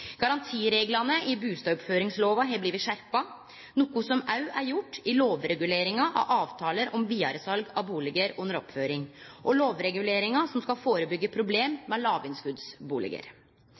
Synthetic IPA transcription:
ɡ̥ɑɾɑnt̪ʰiːɾeːɡlɑnəɪbʉːst̪ɑɔpføːɾɪŋsloːʋɑɦɛbliːʋɪʂæɾpɑ | nuːkʊsɔmɑʉæɾjʊʈːɪloːʋɾɛɡʉleːɾɪŋɑʔɑ̰ʔɑːʋt̪ʰɑːləɾɔmʋiːɑ̰ɾəsɑlɡɑʋbuːlɪɡəɾʉnːəɾɔpføːɾɪŋʔɔloːʋɾɛɡʉleːɾɪŋɑsɔmskɑfoːɾəbʏɡːəpʰɾʊbleːmːɛlɑːʋɪnskʉd̪sbuːlɪ̰ɡə̰ɾ

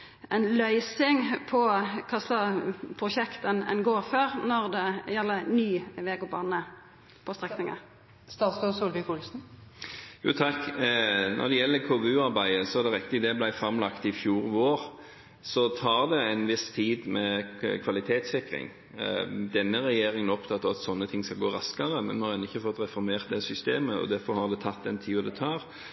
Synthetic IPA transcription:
ɛnlœʏsɪŋpʰɔkʰɑslɑpʰʁʊʃɛkt̪ənɛ̰nɡoːʁføːʁnɔʁd̪ɛjɛlːənyːʋeːɡʊbɑːnə | pʰɔst̪ʁɛknɪŋə̰ | st̪ɑːt̪sɔsuːlʋɪkhʊlsn̩ | jṵːt̪ʰɑkː | nʔɔ̰ɾd̪ɛjɛlːəkʰoːʋɛʉːɑɾbæɪəsɔæɾd̪ɛɾɪk̚t̪ɪd̪ɛblæɪfɾɑmlɑkt̪ɪfjuːɾʋoːʁ | sɔt̪ʰɑːɾd̪ɛænʋɪst̪ʰiːd̪mɛkʰʋɑlɪt̪ʰeːt̪sɪkɾɪ̰ŋ | d̪ɛnːəʁɛjeːɾɪŋənɔpt̪ʰɑt̪ːɑʋɑt̪sɔnːət̪ʰɪŋːskɑlɡoːɾɑskɑʁəmɛnmɛhɑɾɛnːɪçːəfɔt̪ːɾɛfɔɾmeːʁt̪̚d̪ɛsʏst̪eːməɔ̰d̪æɾfɔɾhɑɾd̪ɛt̪ʰɑt̪ːd̪ɛnt̪ʰiːɔd̪ɛt̪ʰɑːɾ

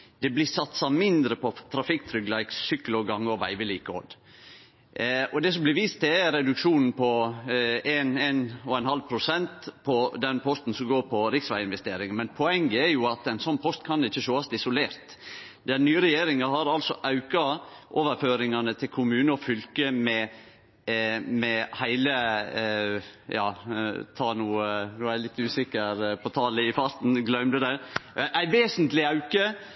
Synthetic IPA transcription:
d̪̥ɛblɪsɑt̪sɑmɪnd̪ɾəpʰɔt̪ʰɾɑfɪkt̪ʰɾʏɡlæɪksʏkːlɔɡɑŋːəɔʋæ̰ɪʋəliːkəo̰d̪ | ɔd̪ɛs̬ɔmblɪɾʋiːst̪̚d̪ɛæɾɾɛd̪ʉkʂuːnn̩pʰɔ | ɛnenɔɛnhɑlpʰɾʊsɛnt̪pʰɔd̪ɛnpʰɔst̪n̩sɔmɡoːɾpʰɔɾɪksʋæɪɪnʋɛst̪eːɾɪŋənmɛnpʰɔɛŋɡəæɾjʊɑt̪ɛnsɔnːpʰɔst̪kʰɑnɪçːəʃoːɑst̪ɪsʊleːɾt̪ | d̪ɛnyːɾɛjeːɾɪŋɑɦɑɾɑlsɔʔɑʉkɑʔoːʋəɾføːɾɪŋɑnət̪ʰɪlkʰʊmʉːnəɔfʏlkəmɛ | mɛhæɪlə | jɑːt̪ʰɑːnuːənuːæɪlɪt̪ːʉːsɪkːəɾpʰɔt̪ʰɑːləɪfɑɾt̪n̩ɡlœʉmd̪ʉd̪æʔæɪʋeːsənt̪lɪɑʉkə

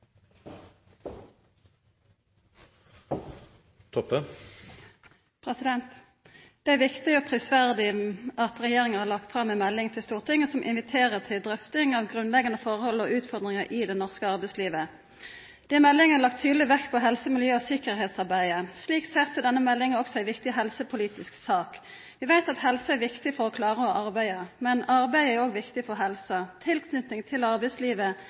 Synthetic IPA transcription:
t̪ʰɔpːə | pʰʁɛsɪd̪ɛnt̪ | d̪̥ɛæʋɪkt̪ɪoːpʰʁɪsʋæʁd̪ɪʔɑt̪ʁɛjeːʁɪŋəhɑːʁlɑkt̪fʁɑmɛmɛlːɪŋt̪ʰɪlst̪uːʁt̪ɪŋːəsɔmʔɪ̰nʋɪt̪ʰeːʁəʁt̪ʰɪld̪ʁœft̪ɪŋɑːʋɡʁʉnlɛɡɑnəfɔʁhɔlːɔʉːt̪fɔʁd̪ʁɪŋəʔɪd̪ɛnɔʁskəɑʁbæɪsliːʋə | d̪̥ɛmɛlːɪŋənəlɑk̚t̪ʰːyːd̪lɪʋɛkːpʰɔɦɛlsəmɪljøːɔsɪkəʁɦeːt̪sɑʁbæɪəsliːkseːʁsɔd̪ɛnːəmɛlːɪŋəɔksɔæɪʋɪkt̪ɪɦɛlsəpʰʊliːt̪ɪsksɑːk | ʋɪʋæɪt̪ɑt̪hɛlsɑæɾʋɪkt̪ɪfɔɾɔkʰlɑːʁəɔʔɑʁbæɪəmɛnɑʁbæɪəæɾoːɡʋɪkt̪ɪfɔʁɦɛlsət̪ʰɪlkʰnʉt̪nɪŋt̪ʰɪlɑʁbæɪsliːʋə

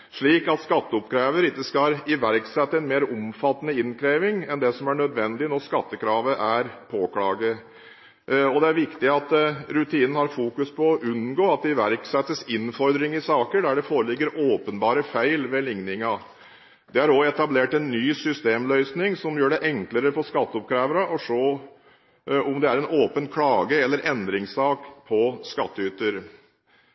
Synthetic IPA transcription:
ʂɭiːkɑt̪skɑt̪ːəʊpkʰɾeːʋəɾɪkːəskɑɾɪʋæɾksɛt̪ːəɛnmeːɾʊmfɑt̪ːənəɪnkʰɾeːʋɪŋɛnd̪ɛsɔmæɳœd̪ʋɛnd̪ɪnɔskɑt̪ːəkʰɾɑːʋəʔæɾpʰoːkɽɑːɡə | ɔd̪ɛæɾʋɪkt̪ɪɑt̪ɾʉt̪ʰiːnənəhɑɾfuːkʉspʰɔɔʔʉnɡoːɑt̪̚d̪ɛɪʋæɾksɛt̪ːəsɪnfɔɾd̪ɾɪŋɪsɑːkəɖæɖɛfoːɾəlɪɡːəɾoːpənbɑːɾəfæɪlʋɛlɪŋnɪŋɑ | d̪ɛæɾɔɛt̪ɑbleːʈɛnːyːsʏst̪eːmlœʏsnɪŋsɔmjøːɖɛʔɛŋkləɾəfɔskɑt̪ːəɔp̚kʰɾæːʋəɾɑʔɔʂoː | ɔmd̪ɛæɾɛnoːpənkʰlɑːɡəɛlːəɾʔɛnd̪ɾɪŋsɑːkpʰɔskɑt̪ːəyːt̪əɾ

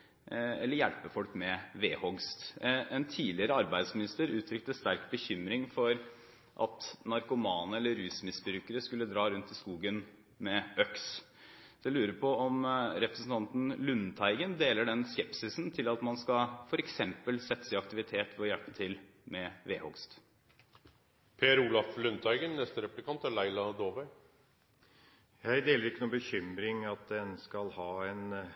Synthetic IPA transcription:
ɛlːəɾjælpəfɔlkmɛʋeːhɔɡst̪ɛnt̪ʰiːlɪəɾəɑɾbæɪd̪smɪnɪst̪əɾʉːt̪ʰɾʏk̚t̪əst̪æɾkbəçʏmɾɪŋfɔɾ | ʔɑ̰t̪nɑɾkʊmɑːnəɛlːəɾʉːsmɪsbɾʉːkəɾəskʉlːəd̪ɾɑːɾʉnt̪ɪskuːɡən | mɛœks | d̪̥ɛlʉːɾəpʰɔɔmɾɛpɾəsən̩t̪ɑnt̪n̩lʉnːt̪ʰæɪɡənd̪eːləɖɛnskɛpsɪsnt̪ʰɪlɑt̪mɑnskɑfɔɾɛksɛmpəlsɛt̪ːəsæɪɑkt̪ɪʋɪt̪ʰeːt̪ʋɔjæɭpə̥t̪ʰɪl | mɛʋḛːhɔɡst̪ | pʰeːəɾuːlɑflʉnt̪ʰæɪɡənnɛst̪əɾɛplɪkɑnt̪ælæɪlɑd̪oːʋæɪ | jæɪd̪eːləɾɪkːənuːbəçʏmɾɪŋɑt̪̚d̪ɛnskɑlhɑːɛn

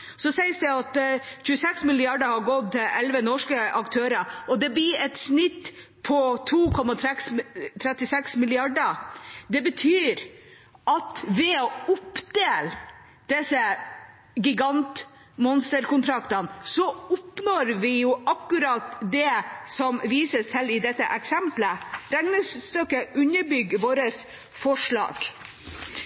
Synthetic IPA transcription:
sɔsɛɪəsd̪ɛɑt̪çʉːəsɛksmɪlɪɑɖəhɑɾɡɔd̪ɛɛlʋənɔʂkəʔɑkt̪ʰøːɾəɔd̪ɛbiːɛt̪snɪt̪ː | pʰɔt̪ʰuːkʰɔmɑt̪ʰɾɛkst̪ʰɾɛt̪ːɪsɛksmɪlɪɑɖəd̪ɛbət̪ʰyːɾ | ʔɑt̪ʋɛɔʊpd̪eːl | d̪̥ɛsə | ɡɪɡɑnt̪ | mɔnst̪əɾkʊnt̪ʰɾɑkt̪ɑnsɔʊpnoɾʋɪjʊʔɑkːʉɾɑt̪d̪ɛsɔmʋiːsəst̪ʰɪlɪd̪ɛt̪ːə̰ʔɛksɛmpləɾɛŋnəsst̪œkːəʉɲəbʏɡʋoːɾəs | fɔʂɭɑ̰ːɡ̥

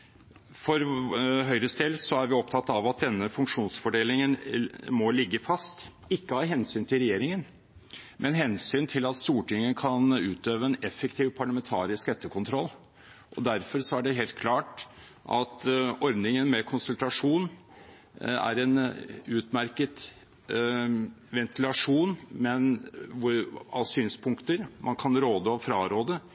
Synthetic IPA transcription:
fɔɾɦœʏɾəst̪eːd̪sɔæɾʋɪɔpt̪ʰɑt̪ːɑʋɑt̪̚d̪ɛnːəfʉŋkʂuːnsfɔɖeːlɪŋənmɔlɪɡːəfɑst̪ | ɪkːəhɑːɦɛnsyːnt̪ʰɪlɾɛjeːɾɪŋən | mʔɛnɦɛnsyːnt̪ʰɪlɑt̪st̪uːʈɪŋːəkʰɑnʉːt̪øːʋəɛnɛfːəkt̪ʰiːʋpʰɑɭɑmɛnt̪ʰɑ̰ːɾɪskɛt̪ːəkʰʊnt̪ʰɾɔlː | ʔɔd̪æɾfɔɾsɔæɖɛɦeːlt̪̚kʰlɑːʈ | ʔɑt̪ɔɾd̪nɪŋənmɛkʰʊnsʉlt̪ɑʂuːn | æ̰ɾɛnʉːt̪mæɾkət̪ | ʋɛnt̪ɪlɑʂuːnmɛnʋʊɾɑʋsyːnspʰʊŋkt̪əɾmʔɑnkʰɑnɾoːd̪əɔfɾɑːɾoːd̪ə

